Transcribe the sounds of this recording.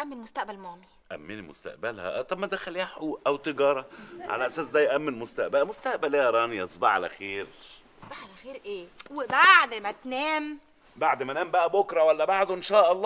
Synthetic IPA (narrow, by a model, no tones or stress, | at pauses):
ʔæmːenmʊst̪æʔbælmæːmi | ʔæ̰mːenimʊ̰st̪æ̰ʔbælhæ̰ʔt̪ˤɑbmːæd̪æxælːiaħuːʔæwt̪eɡɑːɾˤɑʕa̰læʔæsæːsd̪æːjʔæmːenmʊst̪æʔbælæmʊst̪æʔbælːæɑɾˤɑːniʔsˤbɑʕa̰læ̰xeːɾʔsˤbaħʕalæxeːɾʔeːwebaʕd̪mæt̪næːm | baʕd̪mænæːmbæʔæbokɾˤɑwælːæbaʕd̪oʔenʃæːʔɑlˤːɑː